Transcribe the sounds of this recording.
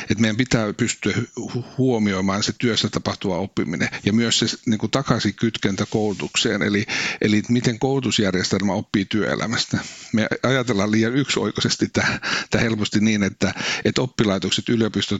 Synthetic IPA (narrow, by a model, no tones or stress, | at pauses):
et̪meijæmpit̪æːpyst̪yæhyhuomioimɑːnset̪yøsːæt̪ɑpɑht̪uʋɑopːimḭnḛjɑmyøsseniːŋkut̪ɑkɑsikyt̪kent̪ækoulut̪uksḛːnḛliʔeliet̪mit̪eŋkoulut̪usjærjest̪elmæopːiːt̪yø̰ḛlʔæ̰mæst̪æmeɑjɑt̪elːɑːlliːjɑnykso̰ikosest̪it̪æːt̪æhelpost̪iniːnet̪ːæet̪opːilɑit̪okset̪yljopist̪o